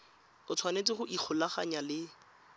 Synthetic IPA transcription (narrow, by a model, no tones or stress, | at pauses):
ʊt͡sʰwanet͡sɪχʊʔik͡xʰʊlaχaɲalɪ